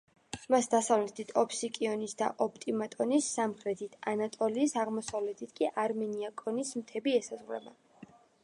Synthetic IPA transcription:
masd̪asavlɛt̪ʰit̪ʰɔpʰsikʼiɔnisd̪a̰ʔɔp̚ʰt̪ʼimat̪ʼɔnisːamχɾɛt̪ʰit̪ʰanat̪ʼɔliːsaʁmɔsavlɛt̪ʰit̪ʰkʼiʔaɾmɛniakʼɔnismt̪ʰɛbiɛsazʁlɛ̰ba

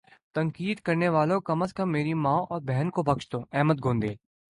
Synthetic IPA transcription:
t̪ɐ̃ŋkiːd̪kɐɾneʋaːlõkɐməskɐmːeːɾimãːʔɔːɾbɛɦnkobɐkʃt̪õːɛːmət̪̚ɡʱõːnd̪eː

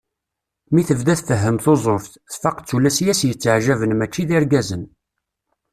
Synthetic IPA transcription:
miθəvðæθfəɦːəmθozˤoft | θfɑqt͡sːulæsjæsjət͡sːəʕʒævənmæt͡ʃːiðiɾɡæzən

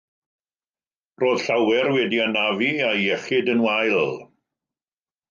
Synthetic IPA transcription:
roːð̥ɬawɛrwɛdianaviajɛχɪdənwajlˠ

